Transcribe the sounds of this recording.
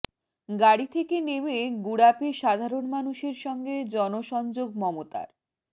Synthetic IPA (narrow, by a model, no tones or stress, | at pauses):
ɡaɽit̪ʰekenemeɡuɽapeʃad̪ʱaɾonmanuʃeɾʃɔŋɡed͡ʑɔnoʃɔnd͡ʑoɡmɔmot̪a̰ɾ